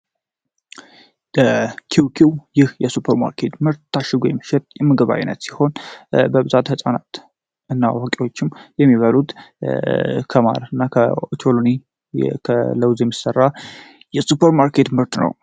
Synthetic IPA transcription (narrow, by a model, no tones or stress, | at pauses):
bəkʰiwkʰiwjɪhjɛsupʰəɾma̰ɾkʰe̞t̪mɨɾt̪ːaʃɪɡojɛmːəʃɛt̪ʼjɛməɡəβa̰jnːə̰t̪si̥ho̞nbəbɨzat̪həsʼana̰t̪ | ɨnːawokʼiwo̞t͡ʃːɪmjɛmːiβalut̪ | kʰəma̰ɾɨnːakʰət͡ʃʰoloni | kʰələwzjɛmːisərːa | jɛsupʰəɾmaɾkʰe̞t̪mɨɾt̪nə̰w